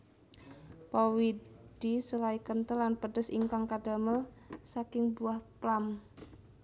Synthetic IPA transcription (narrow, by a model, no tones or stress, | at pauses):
pɔwid̥isəlaikənt̪əlːanpəɖ̥əsḭŋkaŋkaɖ̥a̤məl | sakɪŋbuahplam